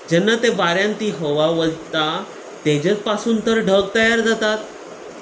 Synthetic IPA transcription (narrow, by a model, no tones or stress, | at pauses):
d͡ʑɛnːat̪ebaɾjãnt̪iːɦoʋaʋət̪a | t̪ed͡ʑet͡spasuːnt̪əɾɖʱəɡ̚t̪əjaɾd͡zat̪at̪